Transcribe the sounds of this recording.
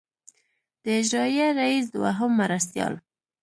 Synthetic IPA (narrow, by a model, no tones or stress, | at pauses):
d̪̥əɪd͡ʒɾɑjaɾais̬d̪wa̰ɦʊmːaɾast̪jɑ̰l